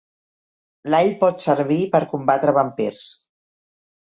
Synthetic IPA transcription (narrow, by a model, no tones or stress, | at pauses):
laʎpɔt̪səɾβ̞ipəɾkumbat̪ɾəβəmpeɾs